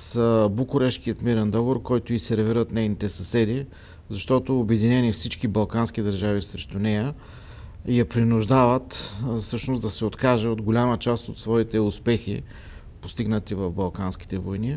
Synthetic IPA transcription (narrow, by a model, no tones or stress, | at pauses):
səbukʊɾɛʃkiət̪miɾɛnd̪ɔɡoɾkɔjt̪ʊisɛɾviɾət̪nɛjnit̪ɛsɐsɛd̪i | zɐʃt̪ɔt̪oːbɛd̪inɛnifsit͡ʃkibɐlˠkansk̟id̪ɐɾʒavisɾɛʃt̪ʊnɛjə | jɐpɾinʊʒd̪avət̪fsɤʃnʊsd̪ɐsɛot̪kaʒɛod̪ɡolʲamət͡ʃast̪ot̪svɔit̪ɛʊspɛxḭ | post̪iɡnət̪ivəvbɐlˠkansk̟i̥t̪ɛvojni